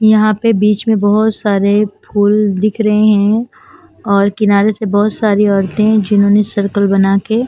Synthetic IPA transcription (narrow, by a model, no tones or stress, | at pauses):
jɐɦãpebiːt͡ʃmẽbɐɦʊt̪saːɾepʰuːld̪ɪkʰɾɐɦẽɦɛ̃ | ɔːɾkɪnaːɾesebɔɦʊt̪saːɾiɔːɾt̪ẽd͡ʒɪnɦõːnesɐɾkəlbɐnaːke